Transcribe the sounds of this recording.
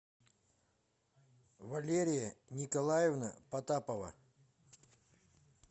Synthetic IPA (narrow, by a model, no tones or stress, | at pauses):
vɐlʲeɾʲɪjənʲɪkɐlˠajɪvnə̰pɐt̪apəvə̰